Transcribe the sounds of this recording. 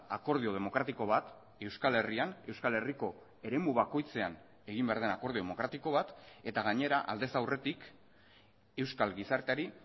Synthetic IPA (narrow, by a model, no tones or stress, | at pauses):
ako̞ɾð̞io̞ð̞emo̞kɾat̪iko̞β̞at̪ | e̞wskale̞riane̞wskale̞riko̞ | e̞ɾe̞muβako̞jt͡se̞an | e̞ɣimbe̞aɾðe̞nako̞ɾðio̞emo̞kɾat̪iko̞β̞at̪e̞t̪aɣaɲe̞ɾaʔa̰ld̪e̞sawre̞t̪ik | e̞wskalɣisaɾt̪eaɾi